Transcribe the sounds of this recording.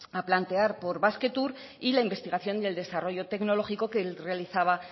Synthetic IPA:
aplant̪e̞aɾpo̞ɾβaske̞t̪uɾ | ilaimbe̞st̪iɣaθjo̞nd̪e̞ld̪e̞saro̞ʝo̞t̪e̞kno̞lo̞xiko̞kelre̞aliθaβ̞a

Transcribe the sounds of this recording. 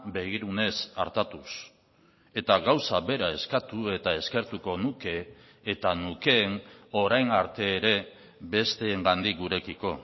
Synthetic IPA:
be̞ɣiɾune̞sa̰ɾt̪at̪us | e̞t̪aɣawsaβe̞ɾae̞skat̪ue̞t̪ae̞ske̞ɾt̪uko̞nuke̞ː | t̪anuke̞ːno̞ɾajnaɾt̪e̞ːɾe̞ | βe̞st̪e̞ːŋɡand̪ik̚ɡuɾe̞kiko̞

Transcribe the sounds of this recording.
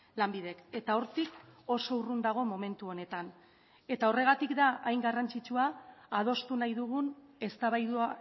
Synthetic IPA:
lambiðe̞ke̞t̪ao̞ɾt̪iko̞so̞urund̪aɣ̞o̞mo̞mẽ̞nt̪uo̞ne̞t̪an | e̞t̪ao̞re̞ɣ̞at̪ikd̪aʔajŋɡarant͡sit͡ʃuaːð̞o̞st̪unajðuɣ̞une̞st̪aβajðua

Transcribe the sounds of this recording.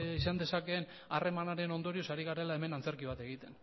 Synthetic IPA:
isand̪e̞sake̞n | are̞manaɾe̞no̞nd̪o̞ɾiosaɾiɣ̞aɾe̞lae̞me̞nant͡se̞ɾkiβ̞at̪e̞ɣ̞it̪e̞n

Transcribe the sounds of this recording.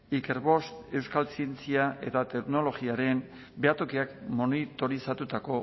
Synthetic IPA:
ike̞ɾβo̞st̪e̞wskalsie̞nt͡siaʔe̞̰t̪at̪e̞kno̞lo̞ɣiaɾe̞n | be̞at̪o̞kiakmo̞nit̪o̞ɾisat̪ut̪ako̞

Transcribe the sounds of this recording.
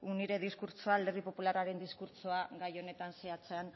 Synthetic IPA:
uniɾe̞ðiskuɾt͡soald̪eripo̞pulaɾaɾe̞nd̪iskuɾt͡soaɡajo̞ne̞t̪anseat͡se̞an

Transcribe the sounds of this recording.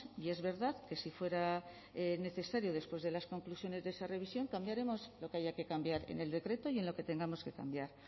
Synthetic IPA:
ie̞zβe̞ɾðaðke̞sifwe̞ɾa | ne̞θe̞saɾjo̞ð̞e̞spwe̞zðe̞lasko̞ŋklusjo̞ne̞zðeesare̞β̞isjo̞ŋkambjaɾe̞mo̞slo̞keaʝake̞kambjaɾe̞̰ne̞ld̪e̞kɾe̞t̪o̞ie̞nlo̞ke̞t̪e̞ŋɡamo̞ske̞ka̰mbjaɾ

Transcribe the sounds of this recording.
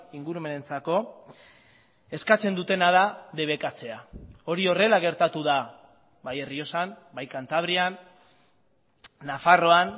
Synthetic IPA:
iŋɡuɾume̞ne̞nt͡sako̞ | e̞skat͡se̞nd̪ut̪e̞naðaðe̞β̞e̞kat͡se̞ao̞ɾio̞re̞laɣ̞e̞ɾt̪at̪uð̞a | baje̞rio̞sam | bajkant̪aβɾian | afaro̞an

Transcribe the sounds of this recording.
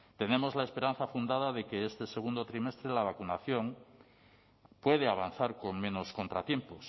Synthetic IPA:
t̪e̞ne̞mo̞zlaespe̞ɾan̟θafund̪aðaðe̞ke̞est̪e̞se̞ɣ̞und̪o̞t̪ɾime̞st̪ɾelaβ̞akunaθjo̞ŋ | pwe̞ð̞eaβ̞an̟θaɾko̞ŋmẽ̞no̞sko̞nt̪ɾat̪je̞mpo̞s

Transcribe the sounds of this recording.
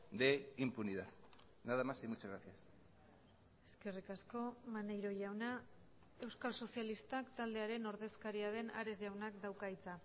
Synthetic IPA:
d̪eimpuniðað | naðamasimut͡ʃaɣɾaθias | e̞̥ske̞rikasko̞manejɾo̞ʝawna | e̞wskalso̞sialist̪akt̪ald̪e̞aɾe̞no̞ɾðe̞skaɾiað̞e̞na̰ɾe̞zʝawnakd̪awkait͡sa

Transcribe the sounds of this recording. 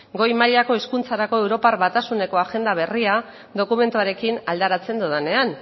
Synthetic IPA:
ɡo̞jmaʎako̞eskunt͡saɾako̞e̞wɾo̞parβat̪asune̞ko̞aʝe̞nd̪aβ̞e̞ria | ðo̞kume̞nt̪uaɾe̞kinald̪aɾat͡se̞nd̪uðane̞an

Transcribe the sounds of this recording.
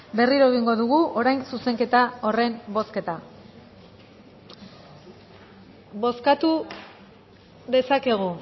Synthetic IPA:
be̞riɾoeɣ̞iŋɡo̞ðuɣ̞uʔo̞ɾajnsuse̞ŋke̞t̪ao̞re̞mbo̞ske̞t̪a | bo̞skat̪u | ðe̞sake̞ɣ̞u

